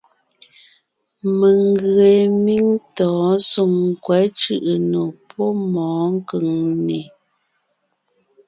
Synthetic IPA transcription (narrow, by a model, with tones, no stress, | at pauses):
mə˨ŋ˦ɡɰe˨mi˦ŋtɔ̃ː˨˦so˨ŋ˨kwɛ˨˦t͡ʃʉ˦˨ʔə˨no˨pʰɔ˦mɔː˨˦ŋ˦kə˨ŋne˨